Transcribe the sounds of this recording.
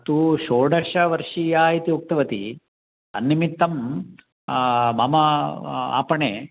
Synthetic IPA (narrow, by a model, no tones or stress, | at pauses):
ɐt̪uʃoːɖɐʂɐʋɐɾʂijaːit̪iuk̚t̪ɐʋɐt̪ḭ | ɐ̰nːimit̪ːɐm | mɐmɐa̰ːpɐɳeː